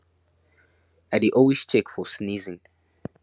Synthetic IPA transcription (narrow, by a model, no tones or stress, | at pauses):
aɪdiʔɔlwist͡ʃɛkfɔsnizɪ̃ŋ